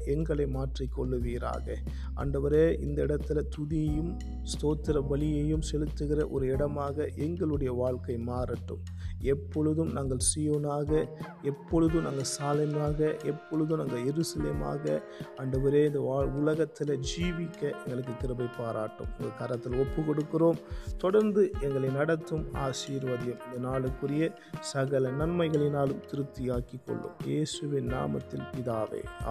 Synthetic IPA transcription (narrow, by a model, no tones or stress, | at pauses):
ɛŋɡɐɭɐɪmaːʈrikːɔɭːɯʋiːɾa̰ːɣɐ̰ | a̰ːɳɖɐʋɐɾeːʔɪnd̪ɐɪɽɐt̪ːɪlɐt̪ʊðɪjɐjɯm | st̪oːt̪ːɪɾɐʋɐlɪjɐjɯmsɛlɯt̪ːɯɣɪrɐʔɔ̰ɾɯɪɽɐmaːɣɐʔɛŋɡɐɭɯɽɐjɐʋaːɭkɐɪmaːɾɐʈːɯ̰m | ɛpːɔɻɯðɯmnaːŋɡɐɭsɛjoːnaːɣɐ | ɛpːɔɻɯðɯmnaːŋɡɐsaːlɐmaːɣɐʔɛpːɔɻɯðɯmnɐŋɡɐjɛɾɯsɐleːma̰ːɣɐ | ɐɳɖɐʋɯɾeːnd̪ɐʋaːɭʊlɐɣɐt̪ːɪlɐd͡ʒiːʋɪkːɐʔɛŋɡɐɭɯk̬ːɯt̪ːɪɾɐbɐɪpaːɾaːʈːɯ̰mɪŋɡɐkɐɾɐt̪ːɪlɔpːɯkɔɽɯkːɯroːmt̪ɔɽɐɾnd̪ɯɛŋɡɐɭɐɪnɐɽɐt̪ːɯma̰ːʃiːɾʋɐðɪjɐmɪnd̪ɐnaːɭɯkːɯɾɪjɐ | sɐɣɐlɐnɐnmɐɪɣɐɭɪnaːlɯmt̪ɪɾɯt̪ːɪjaːkɪkːɔ̰ɭːɯ̰mjeːsɯʋɪnːa̰ːmɐ̰t̪ːɪlpɪðaːʋḛː